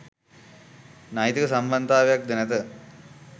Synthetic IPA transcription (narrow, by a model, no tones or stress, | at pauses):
naːjit̪ikɐsɐmbɐnd̪ʱaːʋjɐk̚d̪inɐt̪ɐ